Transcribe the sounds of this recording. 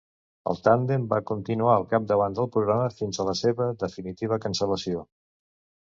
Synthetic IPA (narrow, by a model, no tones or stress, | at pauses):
ə̰lˠt̪and̪emba̰kunt̪inuaəlˠkap̚d̪əβ̞and̪əlˠpɾuɣɾaməfinzələseβəðəfinit̪iβ̞əkənsələsio